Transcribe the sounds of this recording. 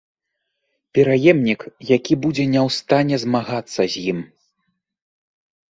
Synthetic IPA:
pʲɛɾajɛmnʲikjakʲibud͡zʲɛnʲɛwst̪anʲɛzmaɣat̪sːɐzʲjim

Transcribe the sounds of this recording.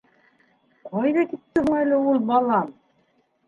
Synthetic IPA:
qʰɑjðɑkit̪ːɘɦuŋælɘulˠbɑlˠɑm

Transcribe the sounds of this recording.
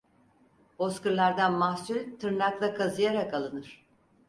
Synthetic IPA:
b̥o̞skɯɾlˠaɾd̪anmahsylʲt̪ʰɯɾnaklˠakʰazɯjaɾakalˠɯnɯɾ̥

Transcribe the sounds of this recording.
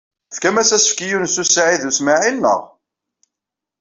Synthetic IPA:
fkæmæsæsə̥fkijunsusaʕiðusmaʕinːə̰ʁ

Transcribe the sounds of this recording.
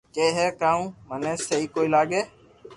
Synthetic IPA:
keːɦɛːkaːũːmənẽːsəɦiːkoːiːlaːɠeː

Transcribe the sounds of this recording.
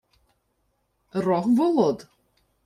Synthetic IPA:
rɔχvɔlˠɔd̥

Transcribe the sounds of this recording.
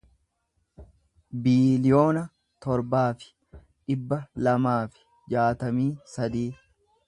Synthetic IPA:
biːlɪjo̞ːnɐ | t̪ɔɾbaːfɪ̥ | ᶑɪbːɐlɐmaːfɪ̥ | d͡ʒaːt̪ɐmiːsɐd̪iː

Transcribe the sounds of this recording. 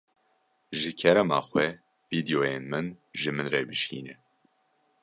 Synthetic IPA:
ʒɨkʰɛɾɛma̰ːxʷwɛ | v̥iːd̪ijoːjeːnmɨnʒɨmɨnreːbɨʃḭːnɛ

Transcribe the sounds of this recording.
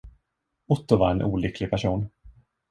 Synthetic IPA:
ʊt̪ːʊvaɾɛnʔṵːlʏkʰːlɪɡ̚pʰæʂuːn

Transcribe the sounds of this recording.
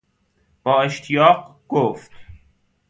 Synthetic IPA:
b̥ɒːeʃt̪ʰijɒːqɡ̥oft̪

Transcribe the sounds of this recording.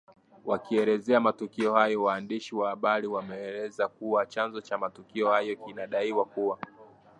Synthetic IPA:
wakiɛlɛzɛamatukiɔhajɔwaːndiʃiwahaɓaɾiwamɛːlɛzakuwat͡ʃanzɔt͡ʃamatukiɔhajɔkinaɗaiwakuwa

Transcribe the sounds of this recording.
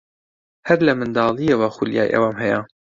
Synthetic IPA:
hæɾlɐmɨnd̪ɑːlˠijewɑxulija̰ːjʔɛ̰waːmɦɛja

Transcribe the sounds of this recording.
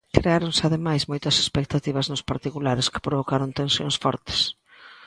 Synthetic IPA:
kɾeaɾonsɪaðemajsmojt̪ɐse̥spek̚t̪at̪iβɐznʊspaɾt̪ikulaɾɪskɪ̥pɾoβ̞okaɾont̪ẽnsjo̰ŋsfɔɾt̪ɪ̥s

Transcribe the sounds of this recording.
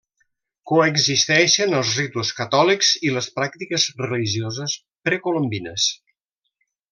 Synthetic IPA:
koəɡzist̪ɛʃənəlˠzrit̪uuskət̪ɔlikz̥iləspɾak̚t̪ikəzrəliʒiozəs | pɾəkolombinə̰s

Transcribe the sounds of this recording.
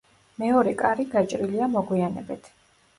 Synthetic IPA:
mɛɔɾɛkʼaɾiɡat͡ʃʼɾiliamɔɡwianɛ̰bit̪ʰ

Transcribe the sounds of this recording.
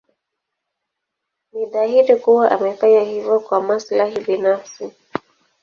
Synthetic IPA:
niɗaɦiɾikuwaʔamɛfaɲahivɔkwamaslaɦiɓinafsi

